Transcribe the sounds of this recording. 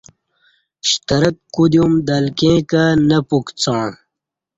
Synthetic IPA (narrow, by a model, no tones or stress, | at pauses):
ɕt̪ɐɾɐk̪̚kud̪jumd̪ɐlkẽːkanɐpukt͡sãː